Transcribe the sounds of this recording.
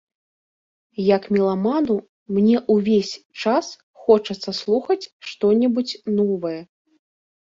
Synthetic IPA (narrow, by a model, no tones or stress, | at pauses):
jɐkmʲilˠamanu | mnʲɛʔuvʲesʲ | t͡ʂas | xɔt͡ʂɐt̪sːɐslˠuxɐt͡sʲʂt̪ɔnʲɛbut͡sʲnɔvɐjɛ